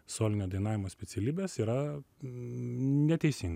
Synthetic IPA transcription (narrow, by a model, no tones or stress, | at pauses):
soːlʲɪnʲoːd̪ɐɪnɑːʋʲɪmoːsʲpʲɛt̪sʲɛlʲiːbʲeːsiːɾɐ | nʲɛt̪ʲɛɪsʲɪŋɡ